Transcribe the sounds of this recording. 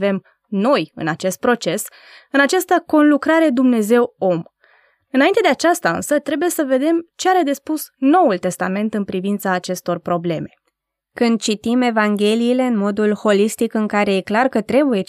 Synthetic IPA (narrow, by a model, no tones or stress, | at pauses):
ve̞m | no̞jɨ̰nat͡ʃe̞st̪̚pɾo̞t͡ʃe̞s | ɨnat͡ʃast̪əko̞nlukɾaɾe̞d̪umne̞ze̞wo̞m | ɨnaint̪e̞d̪e̞at͡ʃast̪aɨ̰nsət̪ɾe̞buje̞səve̞d̪e̞mt͡ʃeaɾed̪e̞spusno̞wult̪e̞st̪ame̞nt̪ɨnpɾivint̪saːt͡ʃe̞st̪o̞rpɾo̞ble̞me̞ | kɨnd̪̚t͡ʃit̪ime̞vaŋɡʲe̞liːle̞ɨnmo̞d̪ulho̞list̪ikɨŋkaɾe̞je̞klarkət̪ɾe̞buje̞